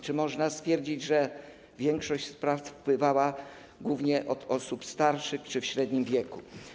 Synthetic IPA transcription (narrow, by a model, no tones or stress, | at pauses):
t͡ʂɘmɔʐnast̪fʲjɛɾd͡ʑid͡ʑʐɛ | vʲjɛŋkʂɔɕt͡ɕspɾafpwɘvawa | ɡwuvɲɛʔɔt̪ɔsupst̪aɾʂɘxt͡ʂɘfɕɾɛd̪ɲimvʲjɛku